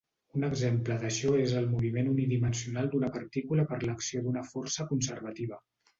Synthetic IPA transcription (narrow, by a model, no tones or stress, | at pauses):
unəɡzempləðəʃɔezəlˠmuβ̞imenuniðimənsiunalˠd̪unəpəɾt̪ikuləpəɾləksiod̪unəfɔrsəkunsəɾβət̪iβ̞ə